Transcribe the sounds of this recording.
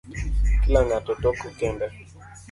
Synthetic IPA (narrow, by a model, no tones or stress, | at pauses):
kilaŋatɔtɔkɔkɛmbɛ